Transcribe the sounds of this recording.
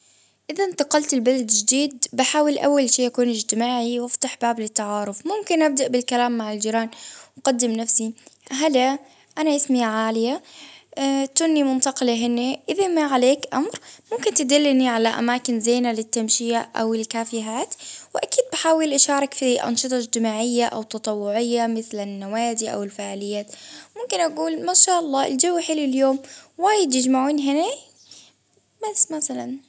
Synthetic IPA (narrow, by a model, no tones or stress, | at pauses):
ʔɪðant̪ɑqɑlt̪ɪlbalad̪ʒɪd̪iːd̪̚bɪħaːwɪlʔa̰wːalʃiːjakuːnɪd͡ʒt̪ɪmaːʕiwɪft̪aħbaːblɪt̪ːaʕɑːɾʊfmʊmkɪnʔab̚d̪aʔbɪlkalaːmːaʕɪld͡ʒɪɾaːnqɑd̪ːɪmnafsiɦala | ʔanaʔɪsmɪjaʕaːlɪja | t̪unːimʊnt̪ɑqɪlaɦɪnːeʔɪðamaʕaleːkʔamɾmʊmkɪnt̪ɪd̪ɪlːniʕalaʔa̰maːkɪnzeːnalɪt̪ːamʃɪjaʔa̰wɪlkaːfɪɦaːt̪wɪʔakiːd̪̚baħaːwɪlʔaʃɑːɾˤɑkfiʔɑ̰nʃɨt̪ˤɑd͡ʒt̪ɪmaːʕɪjːaʔa̰wt̪ːɑt̪ˤɑwːʊʕɪjːamɪθlanːawaːd̪iʔa̰wɪlfaʕlɪjːaːt̪mʊmkɪnʔaɡuːlmaːʃaːʔɑlˤːɑːʔɪ̰ld͡ʒawːħɪlɪljoːmwaːjɪd̪jɪd͡ʒmaʕuːnɦɪne | basmaθalan